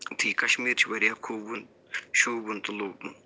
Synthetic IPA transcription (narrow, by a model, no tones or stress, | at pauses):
t̪ʰiːkɐʃmiːɾt͡ʃʰiʋɐɾjaːkʰuːbun | ʃuːbunt̪uloːmun